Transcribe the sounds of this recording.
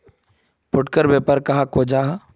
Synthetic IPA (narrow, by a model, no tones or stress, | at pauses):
pʊʈkəɾʋeːpəɾkɐɦakoːd͡ʒaː